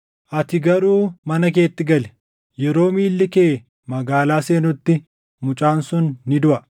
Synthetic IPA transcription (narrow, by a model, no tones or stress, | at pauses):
ʔɐt̪ɪɡɐɾuːmɐnɐk̬e̞ːt̪ːɪɡɐlɛ̥ | jɛɾo̞ːmiːlːɪkeː | mɐɡaːlaːse̞ːnʊt̪ːɪ | mʊt͡ʃʼaːnsʊnːɪd̪ʊʔɐ